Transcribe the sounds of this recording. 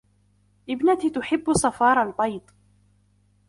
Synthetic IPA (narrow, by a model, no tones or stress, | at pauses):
ʔɪbnat̪it̪ʊħɪbːʊsˤɑfɑːɾˤɑlbɑjt̪ˤ